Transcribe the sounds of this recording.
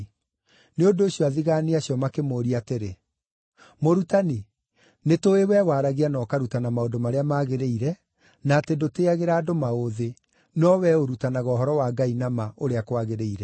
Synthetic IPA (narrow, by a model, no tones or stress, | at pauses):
neondoːɕiɔaðiɣaːniaɕjɔmakemoɾiateɾe | moɾutani | netoewɛwaɾaɣianɔkaɾutanamaodomaɾeamaːɣeɾeiɾɛ | naːtendoteaɣeɾaːdomaoðe | nɔwɛoɾutanaɣɔɦɔɾɔwaɡainamaoɾeakwaɣeɾeiɾɛ